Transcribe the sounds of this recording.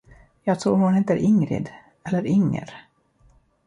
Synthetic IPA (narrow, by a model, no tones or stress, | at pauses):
jɑːɡt̪ʰɾuːɾhʊnheːt̪əɾʔɪŋɾɪ̰d̪ | ɛlːəɾɪŋːə̰ɾ